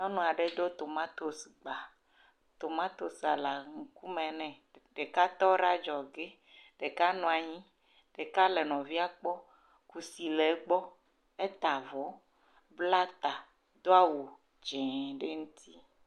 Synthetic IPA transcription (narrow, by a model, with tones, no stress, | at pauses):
ɔ˦nɔ̃˨a˨ɖe˦d̪o˦t̪o˨mã˦t̪o˨sɡ͡ba˨ | t̪o˨mã˦t̪o˨sa˨la˨ŋ̩˨ku˦mɛ̃˨nɛ̃˨ | ɖe˨ka˦t̪ɔ˦ɾa˦d͡ʒɔ˨ɡe˦ | ɖ̥e˨ka˦nɔ̃˨a˨ɲĩ˦ | ɖ̥e˨ka˦le˨nɔ̃˨vi˦a˦k͡pɔ˦ | ku˨si˨le˨˦ɡ͡bɔ˦ | e˦t̪a˨vɔ˨˦ | bla˦t̪a˨ | d̪o˦a˦wo˨ | d͡ʒɛ̃˨ɖe˦ŋũ˦t̪ʰi˦